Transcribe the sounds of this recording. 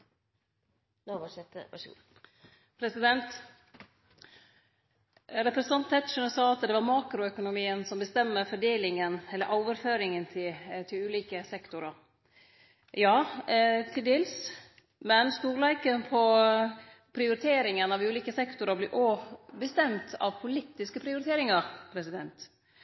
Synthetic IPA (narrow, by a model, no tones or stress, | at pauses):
ʋsɛt̪ːə | pʰɾɛsɪd̪ɛnt̪ | ɾɛpɾɛsɑnt̪ʰːɛt̪ʂənsɑːɑt̪d̪ɛʋɑɾmɑːkɾʊœkʊnʊmiːənsɔmbəst̪ɛmːəɾfɔɖeːlɪŋənɛlːəɾʔɔːʋəɾføːɾɪŋənt̪ʰɪt̪ʰɪlʉːliːkəsɛkt̪ʊɾɑɾ | jɑːt̪ʰɪld̪ɪls | mɛnst̪uːlæɪkənpʰɔ | pʰɾɪʊɾɪt̪ʰeːɾɪŋənɑʋʉːliːkəsɛkt̪ʊɾəblɛ̰ːʔobəst̪ɛmt̪ʰɑ̰ʋpʰʊlɪt̪ːɪskəpʰɾɪʊɾɪt̪ʰeːɾɪŋɑɾpʰɾɛsɪd̪ɛnt̪